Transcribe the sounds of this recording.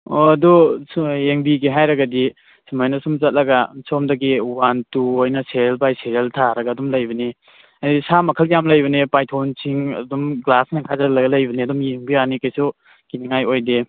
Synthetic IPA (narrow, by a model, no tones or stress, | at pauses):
oɐdusjeŋbiɡiɦajɾɐɡɐdi | simajnɐsumzɐt̚lɐɡɐsɔmdɐɡiwantuojnɐseɾelpajseɾeltʰaɾɐɡɐːdumlɐjbɐni | adisamɐkʰɐljamlɐjbɐnepajtʰownsʰiŋɐ̰dumɡlasniŋkʰazɐlɐɡɐlɐjbɐniɐdumjeŋbianikɐjsu | kiniŋajojde